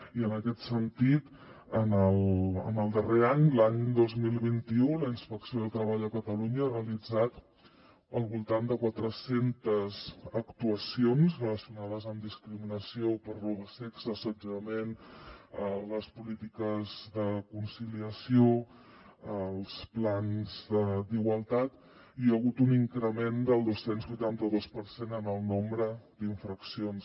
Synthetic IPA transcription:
iənəkɛt̪sənt̪it̪ | ənələ̰nəlˠd̪əreaɲlaɲd̪ozmilˠβint̪iuləinspəksioðəlˠt̪ɾəβaʎəkət̪əluɲəːrəəlid͡zat̪ | əlˠβulˠt̪and̪əkwat̪ɾəsent̪əzəkt̪uəsionzrələsiunaðəzəmd̪iskɾiminəsiopəɾruβəsɛkzəsəd͡ʒəmenələspulit̪ikəzðəkunsiliəsio | əlˠsplanzðəd̪iɣwəlˠt̪at̪ | iəɣut̪uniŋkɾəmend̪əlˠd̪osenzβujt̪ant̪əðospəɾsenənəlˠnombɾəd̪iɱfɾəksions

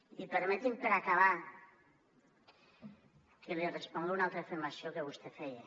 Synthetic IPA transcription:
ipeɾmɛt̪impeɾakaβa | kelirespɔŋɡeunalˠt̪ɾafiɾmasiokeβust̪efɛje

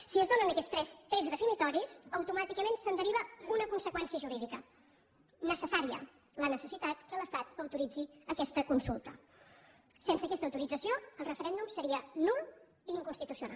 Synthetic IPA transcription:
siəzd̪onənəkɛst̪ɾɛst̪ɾɛzðəfinit̪ɔɾisəwt̪umat̪ikəmensənd̪əɾiβ̞əunəkunsəkwɛnsiəʒuɾiðikə | nəsəsaɾiə̰ | lənəsəsit̪at̪kələst̪at̪əwt̪uɾid͡ziəkɛst̪əkunsulˠt̪ə̰ | sensəːkɛst̪əwt̪uɾid͡zəsioəlˠrəfəɾɛnd̪umsəɾiənulˠ | iŋkunst̪it̪usiuna̰l

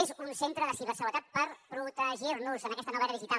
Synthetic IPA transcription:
ezunsent̪ɾəðəseβəsəwət̪at̪̚pəɾpɾut̪əʒiɾnuzənəkɛst̪ənuβɛɾəðiʒit̪a

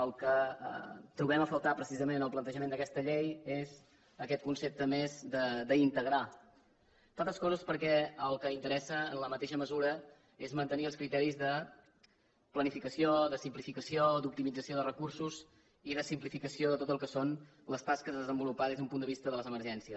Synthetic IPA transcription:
əlˠkə̰ | t̪ɾuβɛməfəlˠt̪apɾəsizəmennəlˠplənt̪əʒəmẽnd̪əkɛst̪əʎejez | əkɛt̪̚kunsep̚t̪əmezd̪əd̪əint̪əɣɾa | t̪alˠt̪əskɔzəspəɾkɛəlˠkəint̪əɾɛsəənləmət̪eʃəməzuɾə | ezmənt̪əniəlˠskɾit̪ɛɾizðə | plənifikəsioðəsimplifikəsiod̪up̚t̪imid͡zəsioðərəkuɾsuz | iðəsimplifikəsioðət̪ot̪əlˠkəson | ləst̪askəzðəzəmbulupaðezəumpund̪əβist̪əðələzəməɾʒɛnsiəs

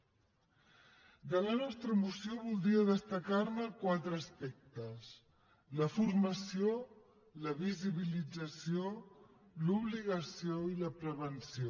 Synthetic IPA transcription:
d̪ələnɔst̪ɾəmusioβulˠd̪ɾiəðəst̪əkaɾməkwat̪ɾəːspɛk̚t̪əs | ləfurməsio | ləβiziβ̞ilid͡zəsio | luβliɣəsioiləpɾəβənsio

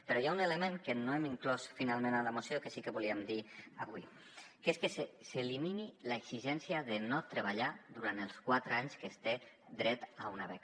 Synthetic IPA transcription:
pəɾɔjauneləmẽŋkənoemiŋklɔsfinalˠmẽnaləmusiokəsikəβuliəmd̪iaβwḭ | keskəseseliminilaekziʒɛnsiaðenot̪ɾəβaʎaðuɾant̪əlˠskwat̪ɾaɲskəst̪e | d̪ɾɛt̪aunaβɛk

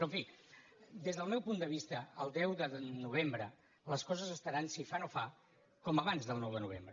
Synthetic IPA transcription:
pɾɔɱfi | d̪ezðəlˠmɛwpund̪əβ̞ist̪əːlˠd̪ɛwðənuβ̞embɾə | ləskɔzəzəst̪əɾansifanofa | kɔməβanzðəlˠnɔwðənuβ̞ḛmbɾə

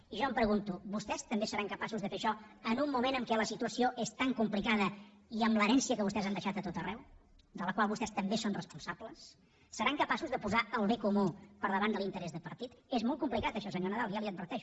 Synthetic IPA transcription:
iʒɔəmpɾəɣunt̪uβust̪ɛst̪əmbesəɾaŋkəpasuzðəfeʃɔənumːumenəŋkɛləsit̪uəsioʔest̪aŋkumplikaðə | iəmləɾɛnsiəkəβust̪ɛzand̪əʃat̪ət̪ot̪ərɛw | d̪ələkwalˠβust̪ɛst̪əmbesonrəspunsabləsː | əɾaŋkəpasuzðəpuzaəlˠβekumupəɾðəβand̪əlint̪əɾɛzðəpəɾt̪it̪ezmɔlˠt̪̚kumplikat̪əʃɔsəɲonəðalˠjaliəd̪̚bəɾt̪ɛʃu

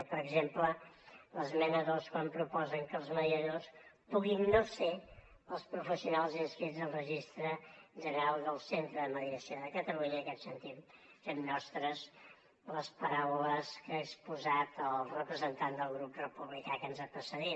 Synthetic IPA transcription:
pəɾəɡzemplələzmɛnəðolˠskwampɾupɔzəŋkəlˠzməðiəðospuɣinːose | əlˠspɾufəsiunalˠzinskɾidzəlˠrəʒist̪ɾəʒənəɾalˠðəlˠsent̪ɾəðəməðiəsðəkət̪əluɲəəkɛt̪sənt̪it̪ | femnɔst̪ɾəz | ləspəɾawləskəːkspuzat̪əlˠrəpɾəzənt̪and̪əlˠɣɾup̚rəpuβlikakənzəpəsəɾi

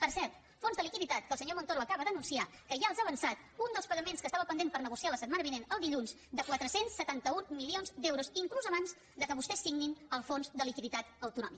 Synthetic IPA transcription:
pəɾsɛɾt̪ | fonzðəlikiðit̪at̪̚kəlˠsəɲomont̪oɾuəkaβəðənunsiakəʒaəlˠzaβənsat̪ | und̪əlˠspəɣəmenskəsaβəpənd̪enpəɾnəɣusialəsət̪̚manəβinenəlˠd̪iʎunz | d̪əkwat̪ɾəsensːət̪ant̪əumilionzd̪ɛwɾuziŋkluzəβanz | d̪əkəβust̪ɛsːiɣninəlˠfonzd̪əlikiðit̪at̪əwt̪unɔ̰mikə

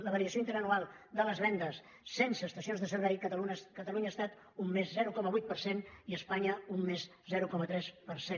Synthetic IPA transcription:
ləβəɾiəsioint̪əɾənualˠd̪ələzβɛnd̪əsː | ensəːst̪əsionzðəsəɾβɛjk̪kət̪əluɲəːst̪at̪ | umːezzɛɾukɔməβujt̪̚pəɾseniəspaɲəumːez | zɛɾukɔmət̪ɾɛspəɾsen

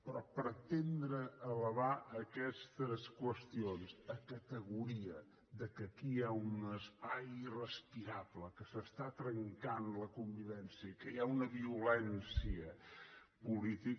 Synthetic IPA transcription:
pɾɔpəɾt̪end̪ɾəːləβaəkɛst̪əskwəst̪ionsəkət̪əɣuɾiə | ðəkəkiaunəspajirəspiɾaβləkəsəst̪at̪ɾəŋkanləkumbiβɛnsiəkəjaunəβiulɛnsiə | pulit̪ik

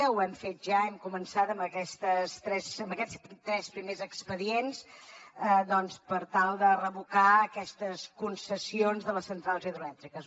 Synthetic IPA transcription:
əwɛmfet̪̚ʒaɛmkumənsat̪əmbəkɛst̪əst̪ɾɛsəmbəkɛspt̪ɾɛspɾimezəkspəðiensəd̪ɔnspəɾt̪alˠd̪ərəβukaəkɛst̪əskunsəsionzðələsːənt̪ɾalˠziðɾulɛt̪ɾikəs

